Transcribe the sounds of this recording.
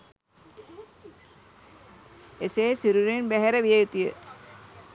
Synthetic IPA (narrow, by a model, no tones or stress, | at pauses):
eseːsiɾuɾenbæɦeɾəʋijejut̪ijə